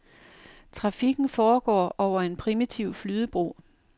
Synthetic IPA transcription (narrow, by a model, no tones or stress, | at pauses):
t͡sʰʁɑ̈fiɡ̥n̩fɒːɡ̥ɒ̰ːɒʊ̰ɐe̝npʰʁimit͡sʰiʊflyːð̞ˠəb̥ʁo̝̰ː